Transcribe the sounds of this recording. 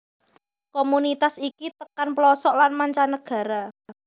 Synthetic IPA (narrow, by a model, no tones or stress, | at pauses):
komunit̪asikit̪əkanplɔsɔʔlanmaɲt͡ʃanəɡ̥ä̤ɾa